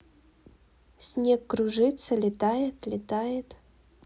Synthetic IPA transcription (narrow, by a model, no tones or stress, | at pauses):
sʲnʲekːɾuʐɨt̪səlʲɪt̪ajɪt̪lʲɪt̪ajɪt̪